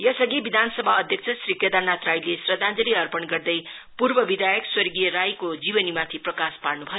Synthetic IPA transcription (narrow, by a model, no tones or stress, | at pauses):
jʌsʌɡibid̪ʱansʌbʱaʌd̪ʱjʌk̚t͡sʰʌsriked̪anat̪rajlesrʌd̪ʱãnd͡zʌliʌrpʌnɡʌrd̪ʌjpurbʌbid̪ʱajʌkswʌrɡijʌɾajkod͡zibʌnimat̪ʰiprʌkasparnubʱʌjo